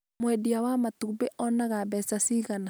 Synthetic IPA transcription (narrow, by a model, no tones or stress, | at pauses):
mwɛdiawamatubeʔɔnaɣaβɛsasiɣana